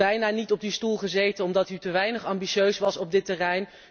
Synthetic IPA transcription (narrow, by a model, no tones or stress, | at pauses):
ɛjnaːnitɔb̚distulˠχəzejtənɔmdɑtytəʋɛjnəχɑmbiʃøɥsʋɑsɔb̚dɪtərɛjn